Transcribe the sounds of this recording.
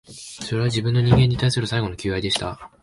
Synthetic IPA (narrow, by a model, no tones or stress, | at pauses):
so̞ɾe̞β̞ad͡ʑibɯ̟̃nːo̞ɲ̟ĩŋɡe̞ɲ̟ːit̪aisɨɾɯ̟saiɡo̞no̞kʲɨːβaid̪e̞ɕi̥t̪a̰